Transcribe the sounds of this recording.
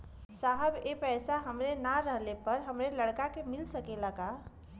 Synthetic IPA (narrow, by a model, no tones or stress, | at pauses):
saɦəbepɛːsaɦəmɾenaɾəɦlepəɾɦəmɾeləɽkakemilsəkelaka